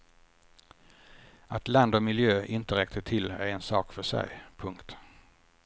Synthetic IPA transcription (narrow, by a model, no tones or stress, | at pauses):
at̪land̪ɔmɪljøːʔɪnt̪əɾɛk̚t̪ʰət̪ʰːɪlːæɾɛnsɑːkfœʂɛ̰jpʰɵŋkt̪